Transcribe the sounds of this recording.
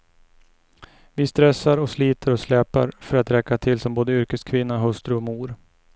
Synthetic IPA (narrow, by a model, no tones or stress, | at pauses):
vɪst̪ɾɛsːaɾɔsliːt̪ʰəɾɔslɛːpaɾfœɾat̪ɾɛkːat̪ʰɪlsɔmboːd̪əʏɾkəskʰvɪnːaɦɵst̪ɾɵɔmuːɾ